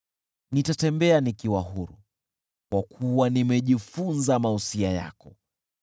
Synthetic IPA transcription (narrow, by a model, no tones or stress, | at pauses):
nitatɛmbɛanikiwaɦuɾu | kwakʰuwanimɛʄifunzamahusiaja̰kɔ